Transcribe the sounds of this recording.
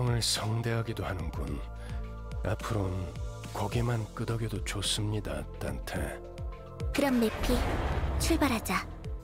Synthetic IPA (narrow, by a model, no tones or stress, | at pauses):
ʌŋɯɭsʰʌŋde̞ɦaɡidohanɯnɡṵn | a̰pʰɯɾon | kʌɡimank͈ɯdʌɡidot͡ɕos͈ɯmɲida̰t͈a̰ntʰḛ | kɯɾʌmːe̞pʰit͡ɕʰuɭbaɾɦad͡ʑa